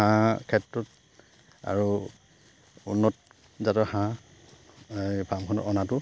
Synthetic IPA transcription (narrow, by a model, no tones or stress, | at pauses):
ãkʰɛtɹɔt | a̰ɹu | ṵnːɔt | zatɔhã | bʱamkʰɔnɔ̰ɔnatʊ